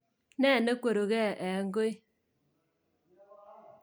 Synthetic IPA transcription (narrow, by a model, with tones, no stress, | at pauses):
nɛː˦˨ne˦kwo˨ɾo˨ɣɛ˦˨ʔɛ˨ŋɡo˦i˦